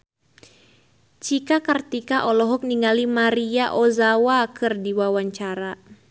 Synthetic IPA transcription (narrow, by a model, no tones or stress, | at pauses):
t͡ʃikakərt̪ikaʔɔlɔɦɔk̚niŋalimaɾiaʔɔzawakɨrdiwawaɲt͡ʃaɾa